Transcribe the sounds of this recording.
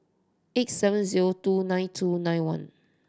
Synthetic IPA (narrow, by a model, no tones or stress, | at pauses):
etsɛvə̃nziɹotunãj̃ntʰunãjnwãn